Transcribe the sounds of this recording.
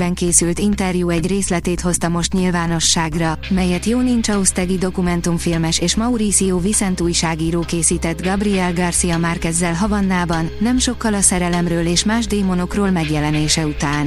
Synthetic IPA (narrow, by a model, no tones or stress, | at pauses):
bɛŋkeːsylt̪int̪ɛrjuːɛɟreːslɛt̪eːt̪ho̞st̪ɒmo̞ʃt̪ɲilvaːno̞ʃːaːɡrɒmɛjɛt̪joːnint͡ʃɒust̪ɛɡid̪o̞kumɛnt̪umfilmɛʃeːʃmɒuɾisijoːvisɛnt̪uːjʃaːɡiːɾoːkeːsiːt̪ɛd̪ɡɒbriɛlɡɒrsijɒmaːrkɛzːɛlɦɒvɒnːaːbɒnːɛmʃo̞kːɒlɒsɛɾɛlɛmrøːleːʃmaːʒd̪eːmo̞no̞kroːlmɛɡjɛlɛneːʃɛut̪aːn